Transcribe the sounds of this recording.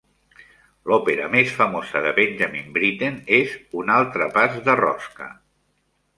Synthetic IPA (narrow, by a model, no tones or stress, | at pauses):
lɔpeɾə̰mesfəmozəðəβenʲʒamimbɾit̪enezunalˠt̪ɾəpazðərɔ̰skə̰